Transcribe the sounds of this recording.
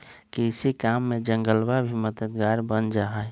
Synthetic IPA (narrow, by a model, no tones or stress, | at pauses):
kiɪsikamːẽd͡ʒəŋɡəlbabʱiməd̪əd̪ɡaːɾbənd͡ʒaːɦɛ